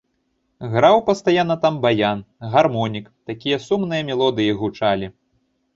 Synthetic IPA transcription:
ɣɾawpɐst̪ajanːɐt̪ambajanɣarmɔnʲikt̪akʲijɐsumnɨjɐmʲɛlˠɔd̪ɨjiɣut͡ʂalʲi

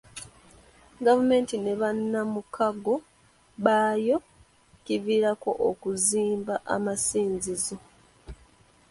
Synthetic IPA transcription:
ɡavume̞ːntine̞βanːamukʰaɡo̞ | βaːjo̞ | civiːɾako̞ʔokuziːmbaʔa̰masiːnzizo

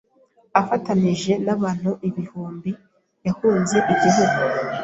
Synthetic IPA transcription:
afataniʒe̞naβaːn̥huʔiβihuːmbi | jahuːnze̞ʔikiɦuɡu

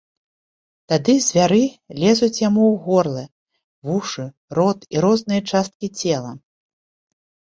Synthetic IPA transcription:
t̪ad̪ɨzʲvʲaɾɨlʲɛzut͡sʲjamuwɣɔrlˠɨ | vuʂɨ | rɔt̪iɾɔznɨjɐt͡ʂast̪̚kʲit͡sʲɛlˠɐ̰

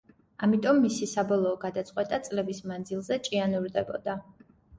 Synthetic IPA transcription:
amit̪ʼɔmːisisabɔlˠɔːɡad̪at̪sʼqʼwɛt̪ʼat̪sʼlɛbismand̪zilˠzɛt͡ʃʼianuɾd̪ɛbɔ̰d̪a

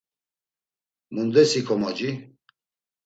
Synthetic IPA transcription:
mund̪ɛsikʰɔmɔd͡ʒi

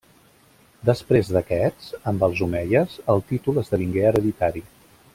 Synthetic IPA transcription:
d̪əspɾezðəkɛt͡səmbəlˠzumɛʎəzəlˠt̪it̪uləzðəβiŋɡeəɾəðit̪aɾi

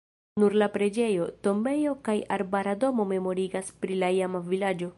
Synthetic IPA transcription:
nuɾlapɾe̞d͡ʒe̞jo̞to̞mbe̞jo̞kajaɾbaɾado̞mo̞me̞mo̞ɾiɡaspɾilaiamavilad͡ʒo̞

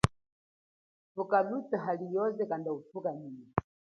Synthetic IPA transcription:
fukalut͡saɦalijɔzɛkandaufukanijɛ

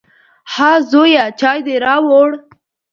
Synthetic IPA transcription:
hɑzojat͡ʃɑːjd̪eɾɑwoɽ

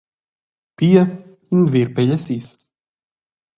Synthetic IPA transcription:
piɛ | imviɾpɛʎsis

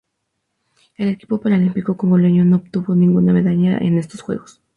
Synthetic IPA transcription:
e̞le̞ki̥po̞paɾalimpiko̞koŋɡo̞le̞ɲono̞ːβt̪uβo̞nĩŋɡuname̞ðaʎaʔḛne̞st̪osxwe̞̰ɣo̞s

